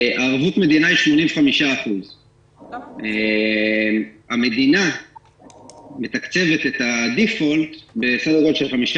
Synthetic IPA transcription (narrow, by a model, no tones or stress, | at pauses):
ʔaːʁvutme̞d̪inaiʃmo̞nĩmvχamiʃaːχuz | e | mame̞d̪ina | me̞t̪akt͡se̞ve̞t̪e̞t̪ad̪ifo̞lt̪be̞sadoʁodʃelχamiʃa